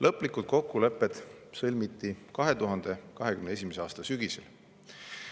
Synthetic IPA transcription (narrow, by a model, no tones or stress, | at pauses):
lʔɤpːˑlikːˑut̪̚ko̞kːule̞pːˑe̞d̪̥sɤlʲmit̪ːikɑɦe̞t̪uɦɑnd̪̥e̞kɑɦe̞kymnees̬ʲimeseɑːst̪ɑsyɡ̥isḛl